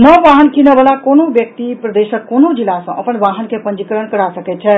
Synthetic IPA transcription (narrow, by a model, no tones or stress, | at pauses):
nəʋaɦənkinəbəlakonobjək̚t̪ipɾəd̪esəkkonod͡ʒilasə̃ʔəpənʋaɦənkepənd͡ʒikəɾənkəɾasəkɛt̪̚t͡ʃʰɛ